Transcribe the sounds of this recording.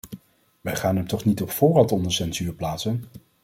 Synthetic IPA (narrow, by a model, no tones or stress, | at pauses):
ʋɛjχaːnɦɛmtɔχnitɔpfʊːrɑtɔndəɹsɛnzyːɹplaːtsən